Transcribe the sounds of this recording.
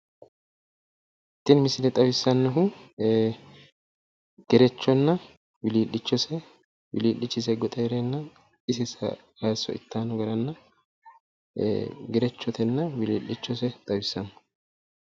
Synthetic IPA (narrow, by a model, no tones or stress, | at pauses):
ɪt̪ːɪnmɪsɪnɛt̪ʼɐwɪsːɐnːɔɦʊ | ɡ̥ɛɾɛt͡ʃːɔnːɐ | wɪliːlːɪt͡ʃːɔsɛ | wɪ̰liːlːɪt͡ʃːɪs̬ɛɡɔt̪ʼɐjɾɛnːɐ | ɪsɪsɐ̰ | haːsːɔ̰ɪ̰t̪ːaːnɔɡɐɾɐnːɐ | ɡɛɾɛt͡ʃːɔt̪ʰɛnːɐwɪliːlːɪt͡ʃːɔsɛt̪ʼɐwɪsːɐnːɔ̥